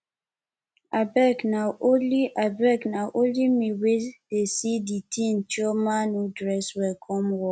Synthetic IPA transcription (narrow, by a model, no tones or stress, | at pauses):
abɛknaʔoliʔabɛknaʔõnlimiwed̥esiditʰĩnt͡ʃɔmanudɹɛswɛlkʰɔ̃mwɔ